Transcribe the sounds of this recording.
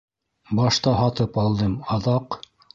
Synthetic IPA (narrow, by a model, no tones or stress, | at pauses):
bɑʃt̪ɑɦɑt̪ɤpɑlˠd̪ɤmɑðɑq